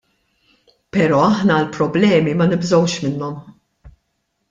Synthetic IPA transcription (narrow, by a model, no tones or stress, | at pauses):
pɛɾɔːɐħnɐlpɾɔblɛːmimɐnɪbzɔwʃmɪnːɔm